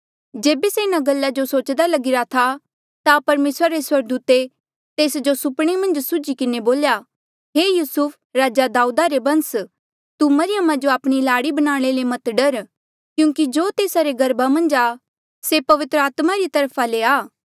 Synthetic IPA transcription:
d͡ʒeːbeseɪnaɡɐlːad͡ʒosoːt͡ʃd̪alɐɡɪɾat̪ʰa | t̪apɐɾmeːsɾaɾeswɐɾɡ̚d̪uːt̪e | t̪eːsd͡ʒosʊpɽ̃emɐ̃nd͡ʒsʊd͡ʒikɪneboːlja | ɦeːjuːsʊpʰ | ɾaːd͡ʒad̪aːud̪aɾebɐ̃ns | t̪umɐɾɪjəmãd͡ʒoaːpɽ̃ilaːɽibɐñaːɽ̃elemɐt̪ɖɐɾ | kjũːkid͡ʒoːt̪eːsaɾeɡɐɾbamɐ̃nd͡ʒaː | sepɐʋɪt̪ɾəaːt̪maɾit̪ɐɾpʰaleaː

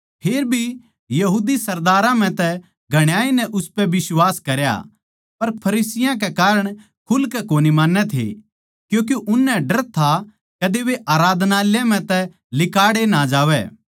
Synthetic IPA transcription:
pʰeːɾbʱi | jɐɦuːd̪isɐɾd̪aːɾãm̤ɛ̃t̪ɛ | ɡʱɐɽ̃jaːinɛʔʊspɛʋɪswaːskɐɾja̰ | pɐɾpʰɐɾiːsɪjãk̬ɛkaːɾəɽ̃ | kʰʊlkɛkoːnimaːnːɛt̪ʰḛ | kjũːk̬eʔʊnːɛɖɐɾt̪t̪ʰːa | kɐd̪eʋeʔaːɾaːd̪ʱnaːljãm̤ɛ̃t̪ɛ | lɪkaːɽenad͡ʒaːʋɛː

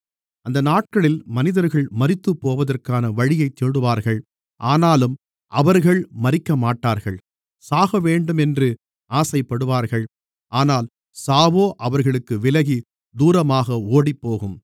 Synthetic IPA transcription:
ɐnd̪ɐnaːʈ̚kɐɭɪlmɐnɪðɐɾɣɐɭmɐɾɪt̪ːɯpːoːʋɐðɐrkaːnɐʋɐɻɪjɐɪt̪ːeːɽɯʋaːɾɣɐɭ | ʔaːnaːlɯm | ʔɐʋɐɾɣɐɭmɐɾɪkːɐmaːʈːaːɾɣɐɭ | saːɣɐʋeːɳɖɯmɛndrɯ | ʔaːsɐɪpːɐɽɯʋaːɾɣɐɭ | ʔaːnaːl | saːʋoːʔɐʋɐɾɣɐɭɯkːɯʋɪlɐɣi | d̪uːɾɐmaːɣɐoːɽipːoːɣɯm

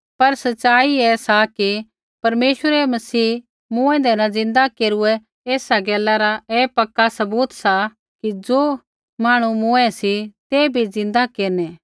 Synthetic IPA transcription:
pɐɾsɐtːt͡ʃaːiɛsaki | pɐɾmeːʃwəɾɛmɐsiː | mʊ̃ːɛ̃d̪ɛnɐ̃d͡zɪ̃nd̪akeːɾʊɛ | eːsaɡɛːlːaɾaɛːpɐkːasɐbuːt̪sa | kid͡zoː | maːɽ̃umũɛ̃sit̪ebʱizɪ̃nd̪akeːɾnɛː

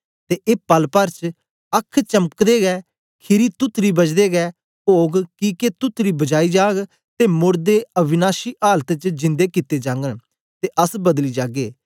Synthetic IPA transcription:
t̪eːʔeːpəlpəɾt͡ʃ | əkʰt͡ʃəməkd̪eːɡɛː | kʰɪɾiːt̪ʊt̪ɾiːbəd͡ʒd̪eːɡɛː | oːɡkiːkeːt̪ʊt̪ɾiːbəd͡ʒaːiːd͡ʒaːɡ | t̪eːmʊɾd̪eːəbɪnaːʃiːʔaːlt̪et͡ʃd͡ʒɪ̃nd̪eːkɪt̪ːeːd͡ʒãːŋɡən | t̪eːʔəsbəd̪liːd͡ʒaːɡeː

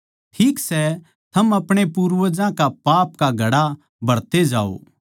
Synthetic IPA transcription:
ʈʰiːksɛ | t̪ʰɐmɐpɽ̃epuɾʋəd͡ʒãkapaːpkaɡʱɐɽa | bɐɽt̪ed͡ʒaːo̰ː

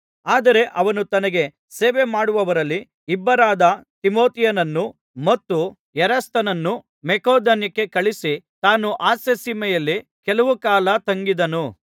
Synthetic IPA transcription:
aːd̪ɐɾe̞ʔɐʋɐnut̪ɐnɐɡe̞ | seːʋe̞maːɽuʋɐʋɐɾɐlːi | ibːɐɾaːd̪ɐt̪imo̞ːt̪ijɐnɐnːu | mɐt̪ːu | jɛɾast̪ɐnɐnːu | mekoːd̪ɐnjɐkːe̞kɐɭisit̪aːnuʔaːsesiːmɐjɐlːikɛlɐʋukaːlɐt̪ɐŋɡid̪ɐnu

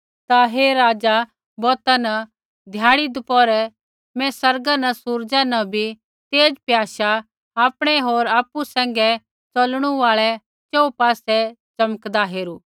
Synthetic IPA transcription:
t̪aɦeːɾaːd͡ʒa | bɔːt̪anɐ | d̪ʱjaːɽ̃id̪ʊpɔːɾɛ | mɛ̃sɐɾɡanɐsuːɾd͡ʒanɐbʱi | t̪eːd͡ʒpjaːʃa | aːpɽ̃ɛɦoːɾaːpːusɛ̃ːŋɡɛ | t͡sɔlɽ̃ũaːɭɛ | t͡ʃoːupaːsɛt͡ʃɐməkd̪aɦeːɾuː

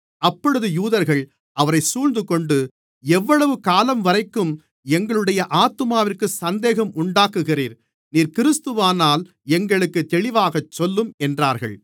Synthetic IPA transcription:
ɐpːɔɽɯðɯjuːðɐɾɣɐɭ | ʔɐʋɐɾɐɪsuːlnd̪ɯkɔɳɖɯ | ɛʋːɐɭɐʋɯkaːlɐmʋɐɾɐɪkːɯm | ɛŋɡɐɭɯɽɐjɐʔaːt̪ːɯmaːʋɪrkɯsɐnd̪eːɣɐmʊɳɖaːkɯɣɪriːɾ | niːɾkɪɾɯst̪ɯʋaːnaːl | ɛŋɡɐɭɯkːɯt̪ːɛɭɪʋaːɣɐt͡ʃːɔlːɯmɛndraːɾɣɐ̰ɭ

